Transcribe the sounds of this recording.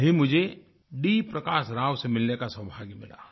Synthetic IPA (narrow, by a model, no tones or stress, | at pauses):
ɦimʊd͡ʒʱe | ɖipɾɐkaːʃɾaːʋsemɪlnekasəbʱaːɡimɪla̰ː